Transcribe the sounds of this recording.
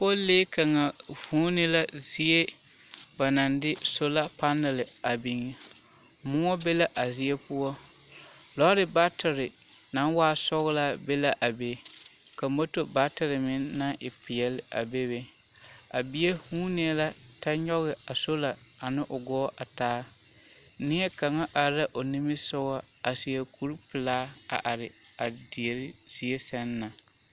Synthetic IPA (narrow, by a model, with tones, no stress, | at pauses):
po˦leː˦ka˨ŋa˨vuː˨˦nɪ˦la˦zi˦e˦ | ba˨na˨ndɪ˦so˦la˦pa˦nɪ˨lɪ˨a˨bi˨ŋe˨ | mʊ˦ɔ˦be˦la˦ʔa˨zɪ˦e˦pʊ˦ɔ˦ | lɔ˦ɾɪ˨ba˦tɪ˨ɾɪ˨ | na˦nwaː˦˨sɔ˦ɣɪ˦la˦be˦la˨ʔa˨be˨ | ka˨m˦bo˦to˦ba˦tɪ˨ɾɪ˨mɪ˦nːa˦ʔɪ˨pɪ˨ɛ˨lɪ˦a̰˨be˦be˦ | a̰˨bi˦e˦hũː˦ni˨˦ɛ˦la˦ta˦ɲɔ˦ɣɪ˨a˨so˦la˨a˨nɪ˦ʔʊ˨ɡɔː˦ʔa˨taː˦ | nɪ˦ɛ˦ka˨ŋa˦ʔa˨ɾa˦ʔo˨ni˦mɪ˦sʊ˦wa˦ | a˨si˨ɛ˨kʰu˦ɾpɪ˨laː˦a̰˨ʔa˨ɾɪ˨a˨di˨e˨ɾɪ˦si˦e˦sɛ˦nː˦a˨